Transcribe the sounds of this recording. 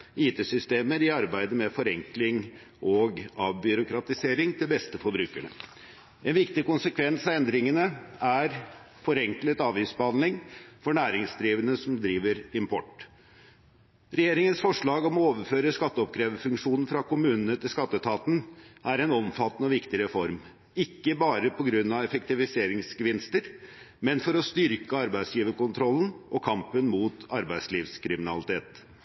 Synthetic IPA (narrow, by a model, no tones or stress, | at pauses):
iːt̪ʰeːsʏst̪eːməɾɪɑɾbæɪd̪əmɛfɔɾɛŋklɪŋ | ʔɔɡɑʋbʏɾʊkɾɑt̪ɪseːɾɪŋt̪ʰɪlbɛst̪əfɔbɾʉːkəɳə̰ | ɛnʋɪkt̪ɪkʊnsəkʰʋɛnsɑʋɛnd̪ɾɪŋənəæɾ | fɔɾɛŋklət̪ɑːʋiːsbəhɑnlɪŋfɔɳæːɾɪŋsd̪ɾiːʋənəsɔmd̪ɾiːʋəɾɪmpʰɔ̰ʈː | ɾɛjeːɾɪŋənsfɔʂɭɑːɡɔmɔoːʋəɾføːɾəskɑt̪ːəɔpkʰɾeːʋəfʉŋkʂuːnn̩fɾɑkʊmʉːnənət̪ɪlskɑt̪ːət̪ʰɑːt̪n̩ʔæɾɛnɔmfɑt̪nəʋɪkt̪ɪɾɛfɔɾm | ɪkːəbɑːɾəpʰɔɡɾʉnːɑʋɛfɛk̚t̪ɪʋɪseːɾɪŋsɡəʋɪnst̪əɾ | mɛnfɔɾɔst̪ʏɾkəɑɾbæɪd̪sjiːʋəkʊnt̪ʰɾɔln̩ʔɔkʰɑmpənmuːt̪ɑɾbæɪsliːʋskʰɾɪmɪnɑ̰lɪt̪ʰeːt̪